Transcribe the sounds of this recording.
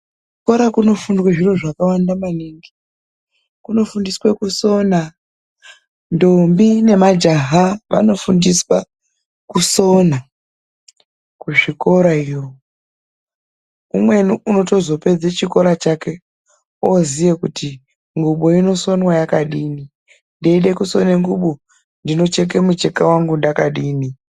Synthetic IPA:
uko̞ɾakuno̞fundwaʐiro̞ʐakawandamaniŋɡi | kuno̞fundiswekuso̞na | ndombine̞mad͡ʒaɦaʋa̰no̞fundiswa | kusona | kuʐiko̞ɾaijo | umwe̞nuuno̞to̞zo̞pe̞d͡zat͡ʃiko̞ɾat͡ʃake̞ | ozijekutʰi | ŋɡuɓoino̞so̞nwajakaɗiːni | ndeiɗekuso̞neŋɡuɓo | ndino̞t͡ʃek̬emut͡ʃekawaŋɡundakaɗiːni

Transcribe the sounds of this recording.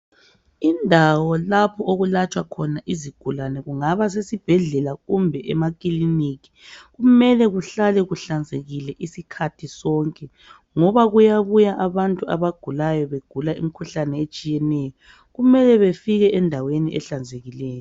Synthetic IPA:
indʱawɔlapʰɔoɣulat͡ʃʼwakʰɔnaʔiziɡ̥ʱulanɛɣuŋaβas̬esib̥ʱɛɮɛlaɣumbʱɛʔɛmak̬ʼiliniɣi̥ | ɣumɛlɛɣuɬalɛɣuɬand͡zʱeɣilɛʔisikʰatʰisɔŋkʼɛ | ŋɔβaɣujaβujaʔaβantʼuaβaɡ̥ʱulajɔβeɡ̥ʱulaḭmikʰuɬanɛet͡ʃʼijɛnɛjɔ | ɣumɛlɛβefiɣɛʔɛndʱaweniʔɛ̰ɬand͡zʱeɣilɛːjɔ

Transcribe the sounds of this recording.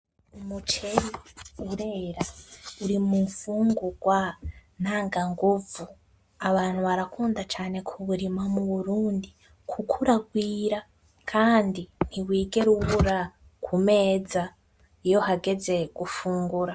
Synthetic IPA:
umut͡ʃe̞ɾiuɾe̞ːɾauɾimuːɱfuːŋɡuɡ̥wan̥aːŋɡaŋɡuvu | aβaːn̥huβaɾakuːndat͡ʃaːnekʰuβuɾimamuβuɾuːndi | kʰukʰuɾaɡwiːɾa | kʰaːndin̥iwiːɡe̞ɾuβuɾa | kʰume̞ːza | ijo̞haɡe̞ze̞ɡ̥ufuːŋɡuɾa

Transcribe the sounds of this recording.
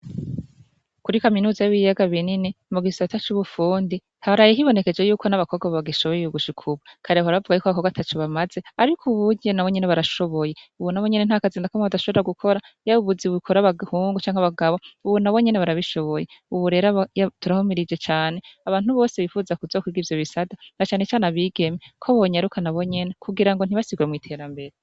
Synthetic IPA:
kuɾikaminuːzajuβijaɡaβininemuɡisatat͡ʃuβufuːndi | haɾajiɦiβo̞ne̞ke̞d͡ʒe̞juːkʰo̞naβakʰo̞ɡaββaɡiʃoβojuɡuʃikʰuβukʰaɾeaβaɾaβavuɡajuːkaβakoɡatat͡ʃoβamaz̥e̞aɾikʰuβuɟenawo̞ɲe̞neβaɾaʃo̞βo̞je̞uβunaβwo̞ɲe̞nen̥hakaziːndakamoβadaʃo̞βeɾaɡukʰo̞ɾa | jaβuβuziβukʰo̞ɾaβahuːŋɡut͡ʃaːŋaβaɡaβo̞uβunaβo̞ɲe̞neβaɾaβiʃo̞βo̞jeuβuɾe̞ɾajatuɾahumiɾid͡ʒe̞t͡ʃaːneaβaːn̥huβo̞ːseβifuːzakuzo̞ːkwiːɡivjo̞βisadanat͡ʃaːne̞t͡ʃaːnaβiːɡe̞mekʰoβoɲaɾukanaβo̞ɲe̞ne̞kʰuɡiɾaŋɡon̥iβasiɡuemŋiːtʰe̞ːɾambe̞ɾe

